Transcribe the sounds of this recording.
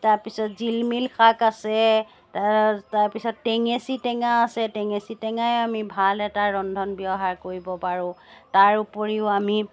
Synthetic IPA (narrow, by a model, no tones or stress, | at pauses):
taɹpisɔtzilmilkʰakasɛ | tataɹpisɔtːɛŋesitɛŋaːsɛtɛŋesitɛŋajʊamibʱalɛtaɹɔndʱɔnbiɔɦaɹkoɹibɔpaɹʊ̃taɹupɔɹiʊami